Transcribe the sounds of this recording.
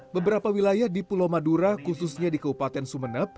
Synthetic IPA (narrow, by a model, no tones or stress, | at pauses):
bəbəɾapawilajahdipulomaduɾakususɲadikəbupat̪ɛnsumənəp̚